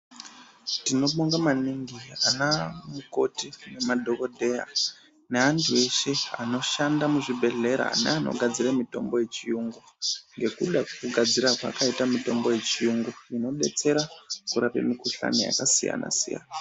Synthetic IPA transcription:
tino̞ɓoŋɡamaniŋɡianamuko̞tine̞madʱo̞ko̞dʱe̞ja̰ | ne̞ɦantʰue̞ʃe̞a̰no̞ʃandamuʐibʱe̞ɮe̞ɾa̰nḛano̞̰ɡʱad͡ziramito̞̰mbo̞je̞t͡ʃijuŋɡu | ŋɡe̞kuɗakkuɡʱad͡ziɾakwa̰kaitamito̞mbo̞je̞t͡ʃijuŋɡuino̞ɓe̞̰t͡se̞ɾakuɾapḛmikuɬa̰nḛja̰kasija̰na̰sija̰na

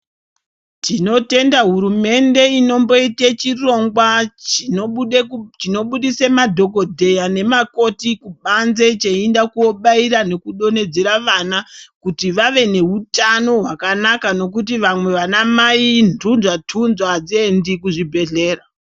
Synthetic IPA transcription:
tino̞te̞ndaɦuɾume̞nde̞ino̞mbo̞itet͡ʃiro̞ŋɡwa | t͡ʃino̞ɓuɗisemadʱo̞ko̞dʱe̞jane̞mako̞tikuɓanze̞t͡ʃeindakuo̞ɓaiɾane̞kuɗo̞ne̞d͡zeɾaʋanakutiʋaʋe̞ne̞ɦutano̞ɦwakanakano̞kut̬iʋamwe̞ʋanamaindunʐatʰunzwad͡zendikuʐibʱe̞ɮe̞ːra

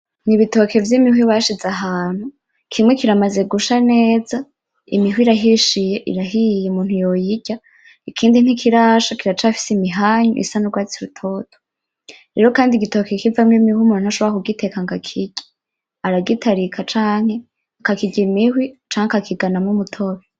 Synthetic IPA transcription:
niβito̞ke̞vjimihwiβaʃizaɦaːn̥hu | kʰimŋe̞kiɾamaze̞ɡuʃaneːza | ḭmihwiɾaɦiʃijeʔḭɾaɦijemuːn̥hujojiɟa | ikʰiːndinhikʰiɾaʃakiɾat͡ʃafi̥simiɦaːɲṵʔḭsanuɾɡwaːt͡siɾutʰo̞ːtʰo̥ | ɾe̞ːɾo̞kaːndiɡito̞kekivamŋimihwiumuːnuhaʃoβoɾakuɡite̞kaŋɡakʰiɟ̥i̥ | aɾaɡitʰaɾikʰat͡ʃaːŋ̥he̞ | akakiɟimihwit͡ʃaːŋakakʰiɡanamŋumutʰo̞βe

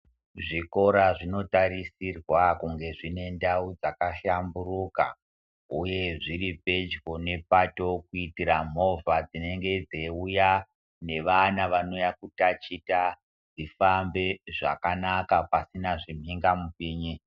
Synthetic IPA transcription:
ʐiko̞ɾaʐino̞taɾisirwakuŋɡe̞ʐine̞ndaud͡zakaʃamburuka̰ | uje̞ʐiɾipe̞d͡ʒɡo̞ne̞pato̞kuitiɾam̤o̞vad͡zine̞ŋɡe̞d͡zeuja | ne̞ʋanaʋano̞jakutat͡ʃita | d͡zifambe̞ʐa̰kanakapasinaʐim̤iŋɡamupiːɲi

